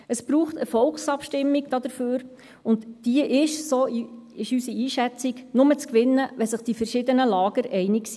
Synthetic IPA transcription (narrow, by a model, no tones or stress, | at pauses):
əsb̥ɾuːχtəfɔlksɑpʃtɪmːiɡd̥ɑd̪əɾføːɾ | ʊndd̥iəʔɪʃsoːɪʃysiiːʃɛt͡siɡnʊmət͡skʋɪnːəʋɛsəχd̥ifərʃɪdənəlɑːɡ̥əɾʔɛɪnɪksi